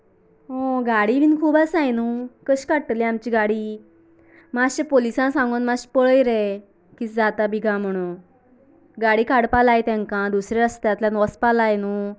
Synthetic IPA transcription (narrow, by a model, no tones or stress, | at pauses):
ɦõɡaɽiʋiːnkʰuːbasajnukəɕkaʈːəlĩamt͡ɕiɡaɽi | maɕepolisãsãŋɡonmaɕpəɭəjɾe | kit͡sd͡zat̪abʱiɡʱãm̤əɽ̃u | ɡaɽikaɽpalajt̪ãŋkãd̪usɾaəst̪jat̪ljãnɔspalajnu